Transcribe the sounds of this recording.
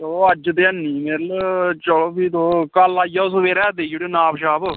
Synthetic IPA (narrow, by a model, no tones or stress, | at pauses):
t̪oːəd͡ʒd̪eːənːiːmeːɾlt͡ʃəloːpiːt̪oːkalaːijaːʊsʊʋeːɾɛːd̪eːioɽeːnaːpʃaːb